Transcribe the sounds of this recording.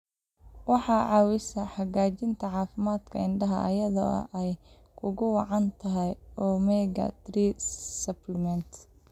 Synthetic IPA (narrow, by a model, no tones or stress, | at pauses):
wɑħɑːʕɑːwɪsɐħɑɣaːt͡ʃɪnt̪ʰɐʕɑːfɪmaːd̪kʰɐ̰ɪɳɖɐɦɐʔɐjɐðɔ̰ɐ̰ʔɛj | kʰʊɣʊwɑʕɑnt̪ʰɐɦɛjɔːmɛːɡɐ̰t̪riːsɐplmɛnt̪